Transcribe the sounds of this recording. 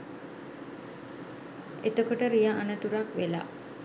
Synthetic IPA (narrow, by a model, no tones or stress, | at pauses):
et̪əkoʈəɾijaʔanət̪uɾakʋela̰